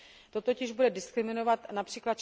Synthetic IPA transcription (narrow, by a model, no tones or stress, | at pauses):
t̪o̞t̪ocɪʒbudɛdɪskɾɪmɪno̞vat̪napr̝̥iːklat̪̚t͡ʃ